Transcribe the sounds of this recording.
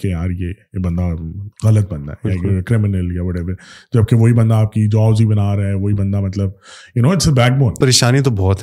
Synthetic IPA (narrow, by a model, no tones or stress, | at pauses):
keaːɾjebɐ̃nd̪aɣɐlət̪̚bɐ̃nd̪a̰akkɾɪmɪnəljaʋɔːʈɛʋəɾd͡ʒɐb̚keʋoɦibɐ̃nd̪aːp̚kid͡ʒaːzibɐnaːɾɐɦɛʋoːibɐ̃nd̪amɐt̪ləb̚jʊnoːɪʈsebɛːk̚boːnpɐɾeːʃaːnit̪̬obɔːt̪ɦɛ